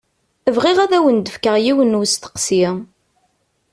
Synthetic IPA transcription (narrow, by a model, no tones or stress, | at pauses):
əvʁiʁæðæwənd̪əfkəʁjiwənust̪ə̥qsi